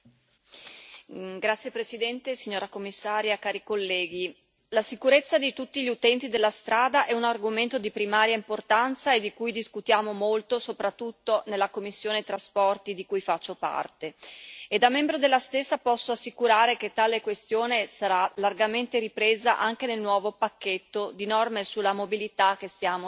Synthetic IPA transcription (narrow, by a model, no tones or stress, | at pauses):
ɡɾat̪sjepɾesid̪ɛnt̪esiɲːoːɾakomːisːaːɾjakaːɾikolːɛːɡ̟i | lasikuɾet̪sːad̪it̪ut̪ːiʎiut̪ɛnt̪id̪elːast̪ɾaːd̪aʔɛunarɡoment̪od̪ipɾimaːɾjaimport̪ant̪saed̪ikujd̪iskut̪jaːmomolt̪osopɾat̪ːut̪ːonelːakomːisːjoːnet̪ɾaspɔrt̪id̪ikujfat͡ʃːopa̰rt̪eed̪amːɛmbɾod̪elːast̪esːapɔsːoasːikuɾaːɾek̟et̪ːaːlekwest̪joːnesaɾalarɡament̪eɾipɾeːzaʔaŋk̟enelnwɔːvopakːet̪ːod̪inɔrmesulːamobilit̪akːest̪jaːmo